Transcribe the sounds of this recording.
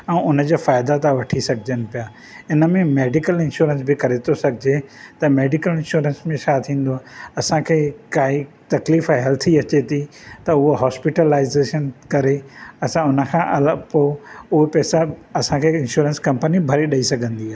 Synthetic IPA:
ɛ̃ːʊnə̆d͡ʑaːfaːɪd̪at̪ʰaʋɐʈʰisɐɡʱɪd͡ʑənɪ̆pijaː | ɪnəmẽmeːɖɪkəlɪ̃nʃuːɾə̃nsbʱɪkɐɾet̪ʰosɐɡʱɪd͡ʑet̪ɐmeːɖɪkəlɪ̃nʃuːɾə̃nsmẽt͡ɕʰat̪ʰĩːn̆d̪oaɐsãkʰeːkaːɦi | t̪ɐkliːfɦɛlt̪ʰiɐt͡ɕet̪ʰit̪ɐʊɦoɦɔːspɪʈəlaːɪzeːʃənkɐɾeɐsãʊnəkʰãʔɐləpoːʊɦepɛːsaɐsãkʰeːɪ̃nʃuːɾə̃nskɐ̃mpənibʱɐɾiɗɐisɐɡʱə̃nd̪iaː

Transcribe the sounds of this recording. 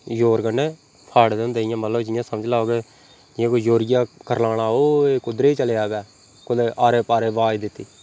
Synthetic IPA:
joːɾkənːeː | pʰaːɽd̪end̪eːijãːməlləbd͡ʒɪjãːsəməd͡ʒlaːoːɡeː | d͡ʒɪjãːkojoːɾɪjaːkəɾlaːɽaːoːeːkʊd̪ɾeːit͡ʃəleːaːɡɛː | kʊd̪eːʔaːɾeːpaːɾeːʋaːiːd̪ɪt̪ːiː

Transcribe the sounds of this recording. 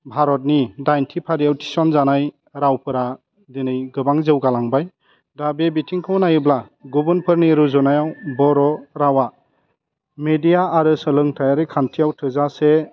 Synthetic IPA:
bʱaɾɔt̬̚nidajntʰipʰaɾijawtʰi̥sɔnzanaj | ɾawpʰɯɾa | dinɯjɡɯbaŋzewɡalaŋbaj | dabebitʰiŋkʰɯwnajɯbla | ɡubɯnpʰɯɾniɾuzɔnajawbɔɾɔɾawa | medijaːɾɯsɯlɯŋtʰajaɾɯkʰantʰijawtʰɯzase

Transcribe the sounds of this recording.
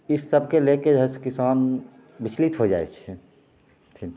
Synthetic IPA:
ɪsːəbʱkelekeəskɪsaːn | bɪt͡ʃʰlit̪ɦod͡ʒa̰ːḛt͡ʃʰɛ | t̪ʰi

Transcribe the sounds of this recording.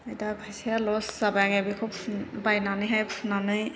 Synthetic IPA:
ajtabʱajsijalɔszabajaŋabikʰubʰbajnanɯjɦajpʰunanɯj

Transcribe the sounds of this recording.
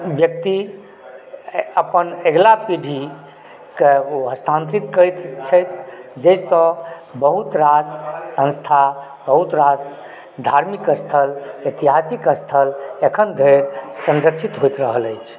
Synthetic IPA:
bjək̚t̪i | əpəneɡlapiɖʱi | keɦəst̪ʰãnt̪ɾit̪kəjt̪t͡ʃʰəjt̪d͡ʒəsə̃bəɦut̪ɾassə̃ñst̪ʰa | bəɦut̪ɾas | d̪ʱaɾmikəst̪ʰəlet̪iɦasikəst̪ʰəlekʰənd̪ʱeɾsə̃nd̪əkt͡ʃʰit̪ɦojt̪ɾəɦələjt͡ʃʰ

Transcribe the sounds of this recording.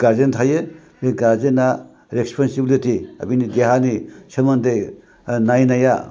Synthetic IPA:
ɡ̥aɾd͡ʒentʰajɯ | eɡaɾzena | ɾekspʰansibilitiɐ̰binideɦanisɯmɐndej | najnaja

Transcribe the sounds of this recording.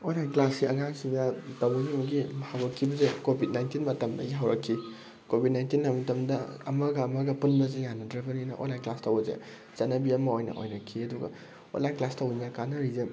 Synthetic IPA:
olajklasiɐŋaŋsidatɐwɐɡimɐɡihawɾɐkʰːibɐzekobʱit̚najntinmɐtɐmdɐɡiɦawɾɐkʰːi | kobʱid̚najntinːɐmɐtɐmdɐɐmɐɡɐːmɐɡɐpunbɐzejanːɐdɾɐbɐninɐ̰ʔo̰lajklastɐwɐzḛ | t͡ʃɐnɐbiɐmɐojnɐ̰ʔo̰jnɐkʰːiɐduɡɐ̰ | o̰lajklastɐwinakanɐɾizem

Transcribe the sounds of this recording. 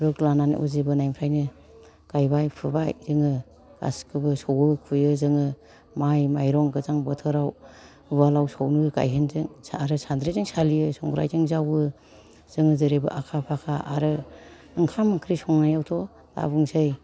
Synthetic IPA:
ɾɯklananḭʔuzibɯnajmpʰɾajnɯ | ɡ̥ajbajpʰɯbajzɯŋɯ | ɡa̰skʰɯbɯsɔwɯkʰujɯzɯŋɯ | majmajɾɔŋɡɯzaŋbɔtʰɯɾaw | βalawsɔwnɯɡa̰jɦenzɯŋaɾɯsʰand̪ɾizɯŋsalijɯsɔŋɡɾa̰jzɯŋzawɯ | z̥ɯŋɯzɯɾebɯ̰ʔakʰapʰakʰaʔaɾɯ | ɯŋkʰamɯkʰɾisɔŋnajawtʰɔ | ta̰bɯŋsɯj

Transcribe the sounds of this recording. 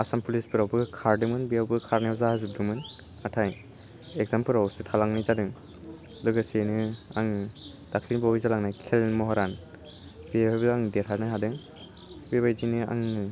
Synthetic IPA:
asampʰulisbɯɾawbɯkʰaɾdɯmɯnbiawbɯkʰaɾnezahazub̚dɯmɯn | atʰaj | eɡzampɯɾawsɯtʰalaŋnɯjzadɯŋ | lɯɡasenɯaŋ | d̥akʰlinbawijzalaŋnajkʰelmɔɦɔɾan | b̥iabɯaŋdetʰaɾnɯɦadɯŋ | bebajdinɯa̰ŋɯ

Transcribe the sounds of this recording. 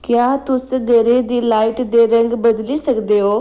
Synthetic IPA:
kjaːt̪ʊsɡʱɐɾed̪iːlaːɪʈd̪eːɾɐ̃ŋɡbɐd̪lisɐkd̪eɦoː

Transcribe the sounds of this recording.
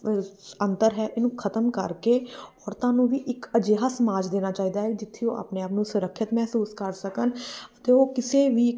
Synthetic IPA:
ənt̪əɾɦɛːʔɪnũːkʰət̪əmkəɾkeːɔːɾt̪ãːnũːʋiːʔɪkəd͡ʒeɦaːsəmaːd͡ʒd̪eːnaːt͡ʃaːiːd̪aːɦɛid͡ʒɪt̪ʰːeõ̰ːʔa̰ːpneːaːpnũːsʊɾəkʰːət̪mɛːsuːskəɾsəkənət̪eːoːkɪseːʋiː

